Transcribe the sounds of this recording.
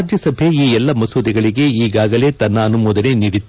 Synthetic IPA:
d͡ʒ̪jɐsɐbʱe̞iːɛlːɐmɐsuːd̪iɡɐɭiɡe̞iːɡaːɡɐle̞ːt̪ɐnːɐːnumɔːd̪ɐne̞niɽit̪ː

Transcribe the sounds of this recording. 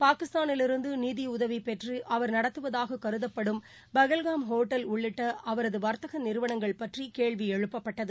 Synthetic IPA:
paːkɪst̪aːnɪlɪɾɯnd̪ɯniːðiʊðɐʋipɛʈriʔɐʋɐɾnɐɽɐt̪ːɯʋɐðaːɣɐkɐɾɯðɐpːɐɽɯm | bɐɣɐlɣaːmɦoːʈːɐlʊɭːɪʈːɐʔɐʋɐɾɐðɯʋɐɾt̪ɐɣɐnɪɾɯʋɐɳɐŋɡɐɭpɐʈrikeːɭʋiɛɻɯpːɐpːɐʈːɐðɯ

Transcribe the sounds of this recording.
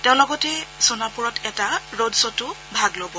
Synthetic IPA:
tɛ̃ʊ̃lɔɡɔtɛsonapuɹɔtɛtaɹodsɔtʊ | bʱaɡlobɔ

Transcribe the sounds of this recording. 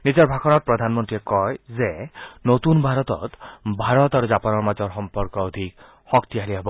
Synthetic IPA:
nid͡ʒɔɾbʱakʰɔnɔt̪̚pɾɔd̪ʱanmɔnt̪iekɔjzenot̪unbʱaɾɔt̪ɔ̰t̪bʱaɾɔt̪aɾud͡ʒapɔnɔɾmad͡ʒɔɾɦɔmpɔɾkɔɔd̪ʱik | hɔkt̪ialiɦebɔ

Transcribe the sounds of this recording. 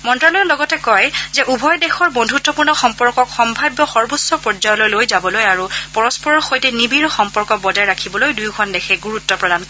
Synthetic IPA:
mɔntɹalɔjɔnlɔɡɔtɛkɔjzɛʔubʱɔjdexɔɹbondʱutːɔpuɹnɔxɔmpɔɹkɔkxɔmbʱabjɔxɔɹbusːɔpɹɔd͡ʒajɔlojlojzabɔlojaɹupɔɹɔspɔɹɔɹxojtɛnibiɹɔxɔmpɔɹkɔk̚bɔdajɹakʰibɔlojdujɡʱɔndexʰɛɡuɹutːɔpɹɔdan

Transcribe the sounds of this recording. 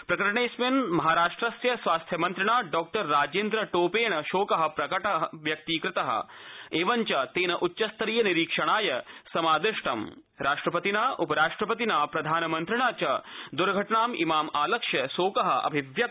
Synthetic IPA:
pɾɐkɐɾɳeːsmenmɐɦaːɾaːʂʈɾɐsjɐsʋaːst̪ʰjɐmɐnt̪ɾɐɳaːɖɔːk̚ʈɐɾːaːd͡ʒeːnd̪ɾɐʈoːpeːɳɐʃoːkɐɦɐ̆pɾɐkɐʈɐɦʋjɐk̚t̪iːkɾɪt̪ɐɦɐ̰eːʋɐɲt͡ʃɐt̪eːnɐʔutːʃɐst̪ɐɾijɐniɾiːkʂɐɽ̃aːjɐsɐmaːd̪ɪʂʈɐm | ɾaːʂʈɾɐpɐt̪inaːʔupɐɾaːʂʈɾɐpɐt̪inaːpɾɐd̪ʱaːnɐmɐnt̪ɾɐɳaːt͡ʃɐd̪uɾɡʱɐʈɐɳaːmḭmaːmaːlɐkʂjɐʃoːkɐɦɐ̆ʔɐ̰bʱiʋjɐ

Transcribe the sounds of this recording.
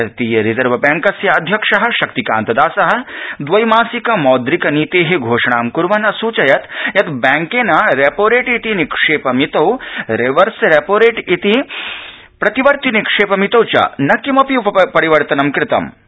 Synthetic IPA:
ɾt̪iːjɐɾizɐɾʋɐbaːŋkɐsjɐːd̪ʱjɐkʂɐɦɐ̆ʃɐkt̪ika̰ːnt̪ɐd̪aːsɐɦɐ̆d̪ʋɐjmaːsikɐmɔːd̪ɾikɐniːt̪eːɦeɡʱoːʂɐɳaːmkuɾʋɐnɐsuːt͡ʃɐjɐt̪jɐt̪bɛːŋkeːnɐɾeːpoːɾeːʈit̪inikʂeːpɐmit̪ɐwɾeʋɐɾsɾeːpoːɾeːʈit̪i | pɾɐt̪iʋɐɾt̪inikʂeːpɐmit̪ɐwt͡ʃɐ̰nɐkimɐpjuɐpɐɾiʋɐɾt̪ɐnɐmkɾɪt̪ɐ̰m

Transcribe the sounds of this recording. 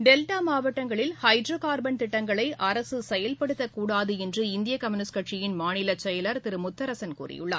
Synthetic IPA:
ɖɛlʈaːmaːʋɐʈːɐŋɡɐɭɪlhɐɪɖɾoːkaːɾbɐnt̪ɪʈːɐŋɡɐɭɐɪʔɐɾɐsɯsɛjɐlpɐɽɯt̪ːɐkːuːɽaːðɯɛndrɯɪnd̪ɪjɐkɐmɪnɪskɐʈʂɪjɪnmaːnɪlɐt͡ʃɐjɐlɐɾt̪ɪɾɯmʊt̪ːɐɾɐsɐnkṵːrɪ̰jɯ̰ɭːa̰ːɾ

